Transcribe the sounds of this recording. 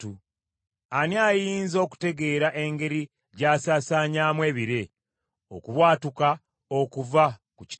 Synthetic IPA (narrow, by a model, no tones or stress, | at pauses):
u | aniajiːnzo̞ːku̥te̞ɡe̞ːɾaʔe̞ŋɡe̞ɾi | ɟaːsaːsaːɲaːmwe̞ːβiɾe̞ | o̞̰kuβwaːtuka | o̞kuvakuci̥